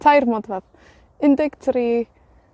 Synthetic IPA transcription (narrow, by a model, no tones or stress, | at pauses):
tʰajrmɔdvɛð | ɪndɪɡ̥tʰɾi